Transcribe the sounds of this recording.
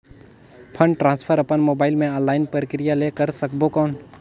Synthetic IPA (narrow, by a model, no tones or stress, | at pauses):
pʰə̃ɳɖʈɾãːnspʰəɾəpənmoːbaːɪlmẽãlaːɪnpəɾəkɾɪjalekəɾsəkbokɔːn